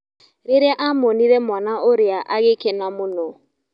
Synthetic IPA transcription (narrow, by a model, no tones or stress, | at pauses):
ɾɪɾɛʔamoniɾemɔnaʔoɾɪaʔaɡɪkɛnamʊno